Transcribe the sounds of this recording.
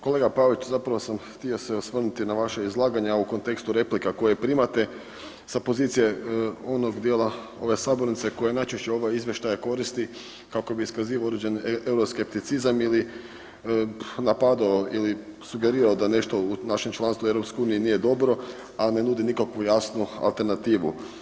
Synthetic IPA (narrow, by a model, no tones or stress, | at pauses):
ko̞leɡapaʋit͡ʃzapɾaʋosamxt̪io̞seosʋr̩nut̪inaʋaʃeizlˠaːɡaɲauko̞nt̪e̞kst̪uɾe̞plikako̞jepɾimat̪e̞ | sapo̞ziːt̪sijeo̞noɡd̪jeːlˠa | o̞ʋe̞saːbo̞ɾnit̪se̞ko̞jenajt͡ʃeʃt͡ɕeo̞ʋaizʋje̞ʃt̪ajako̞ɾist̪i | kako̞biiskaziːʋaod̪ɾed͡ʒe̞newɾoske̞p̚t̪it̪sizamili | napad̪aoilisuɡe̞ɾiːɾaod̪ane̞ʃt̪o̞unaʃe̞mt͡ʃlˠanst̪ue̞vɾo̞pskojuːnijinije̞d̪o̞bɾo̞ | ane̞nuːd̪inikakʋujasnua̰lˠt̪e̞ɾnat̪iːʋṵ